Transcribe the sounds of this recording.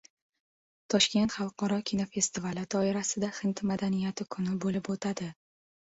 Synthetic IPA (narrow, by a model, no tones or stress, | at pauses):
t̪ʰɒʃkʲe̞nt̪χɑlˠqʰɒɾɒkʲʰinofe̞st̪ɪvalɪd̪ɒɪɾasɪd̪aχɪnt̪ʰmad̪anijat̪ʰɪkʰʊnɪbolɪpot̪ʰad̪ɪ